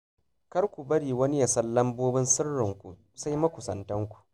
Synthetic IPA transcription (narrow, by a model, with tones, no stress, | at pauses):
kɐ˦rkʷu˨bɐ˦ɽiː˨wɐ˦ni˦ja˨sɐ˦lːɐ˦mboː˦bɪ˦nsɪ˦rːɪ˨ŋkʷṵ˨ | sa˦jmɐ˦kʷʊ˨sɐ˨ntɐ˦ŋkʷu̥˨ʔ